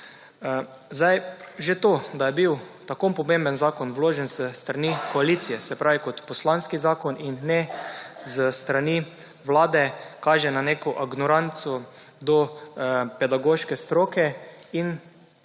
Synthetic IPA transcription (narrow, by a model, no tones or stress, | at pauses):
zajʒet̪oːd̪ajɛbiwt̪akompɔmembənzaːkɔnwloːʒɛnzəst̪ɾanikɔaliːt̪sijɛsɛpɾaːʋikɔt̪pɔslanskizaːkɔninːɛzəst̪ɾani | ʋlaːd̪ɛkaːʒɛnanekʊʔaɡnɔɾant̪sɔd̪ɔ | pɛd̪aɡoːʃkɛst̪ɾoːkɛin